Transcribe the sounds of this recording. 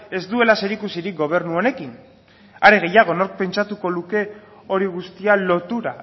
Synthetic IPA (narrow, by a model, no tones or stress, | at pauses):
e̞zd̪ue̞lase̞ɾikusiɾik̚ɡo̞β̞e̞ɾnuo̞ne̞kin | aɾe̞ɣ̞e̞jaɣ̞o̞no̞ɾk̚pe̞nt͡ʃat̪uko̞ðuke̞ | o̞ɾiɣ̞ust̪ialo̞t̪uɾa